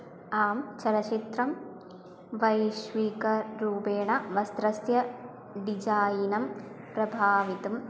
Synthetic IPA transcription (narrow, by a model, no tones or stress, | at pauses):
aːmt͡ʃɐɾɐt͡ʃit̪ɾɐm | ʋɐjʃʋiːkɐɾuːpeːɳɐʋɐst̪ɾɐsjɐ | ɖid͡ʒaːjinɐm | pɾɐbʱaːʋit̪um